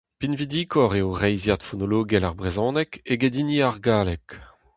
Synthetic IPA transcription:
pinvid̪iːkʰɔʁeoʁɛjzjat̪fɔnoloːɡɛlaʁbʁezɔ̃ːnɛkeɡed̪iniaʁɡaːlɛk

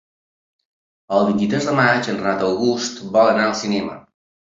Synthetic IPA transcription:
əlˠd̪int̪it̪ɾɛzd̪əmat͡ʃənrat̪əlˠɣust̪bɔlənaəlˠsinɛmə̰

